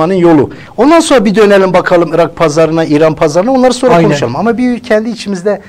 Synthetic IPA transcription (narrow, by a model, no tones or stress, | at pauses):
anɯnjo̞lˠu | ond̪anso̞nɾabid̪ø̞nɛlʲimbakʰalˠɯmɯɾak̚pʰazaɾɯnaiːɾanpʰazaɾɯnaolˠaɾɯso̞nɾako̞nʃalˠɯmamabicʰɛnd̪iːt͡ʃʰimizd̪ɛ